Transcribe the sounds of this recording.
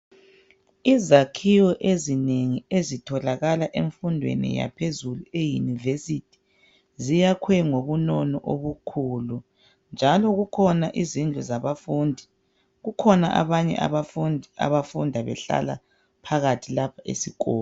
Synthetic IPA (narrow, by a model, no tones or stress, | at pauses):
izakʰiwɔʔezineŋiezitʰɔlaɣalaʔeɱfundʱwḛnḭja̰pʰezuluejunivesitʰi̥ | zijakʰwɛŋoβunɔnɔʔoβukʰulu | nd͡ʒʱalɔɣukʰɔnaʔizind͡ɮʱuzaβafuːndʱi | ɣukʰɔna̰ʔa̰βaɲɛ̰ʔa̰βafnʱa̰βafundʱaβɛ̰ɬa̰la̰ | pʰaɣatʰilapʰaʔḛsikɔːl